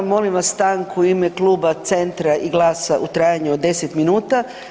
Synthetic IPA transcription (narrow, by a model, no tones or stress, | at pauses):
mo̞limʋasst̪aŋkuimeklˠuːbat̪se̞nt̪ɾaʔiɡlˠaːsaʔut̪ɾaːjaɲuod̪ːe̞set̪minuːt̪a